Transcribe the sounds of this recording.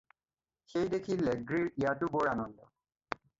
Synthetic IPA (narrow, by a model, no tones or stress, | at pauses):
xejdekʰilːɛɡɹiɹijatʊboɹanɔndɔ̰